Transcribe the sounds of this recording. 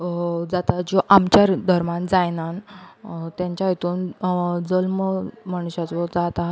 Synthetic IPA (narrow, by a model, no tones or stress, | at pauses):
d͡zat̪ad͡ʑoʔamt͡ɕaɾd̪ʱəɾmand͡zajnan | t̪jãɲt͡ɕjajet̪uːnd͡zəlmməɽ̃uɕat͡sʋɔd͡zat̪a